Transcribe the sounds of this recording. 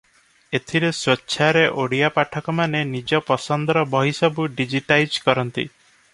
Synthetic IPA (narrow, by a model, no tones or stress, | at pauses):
et̪ʰiɾeswɔtːʃʰaɾeʔoɽijapaʈʰɔkɔmanenid͡ʒɔpɔsɔnd̪ɔɾɔbʱɔɦisɔbuɖid͡ʒiʈajd͡ʒkɔɾɔnt̪ḭ